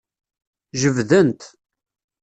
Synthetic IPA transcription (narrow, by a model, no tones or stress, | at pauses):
ʒəvðənt̪